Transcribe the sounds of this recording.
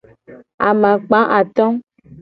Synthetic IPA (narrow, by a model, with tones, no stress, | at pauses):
a̰˨mã˨k͡pã˨˦ʔa˨t̪ɔ̃˦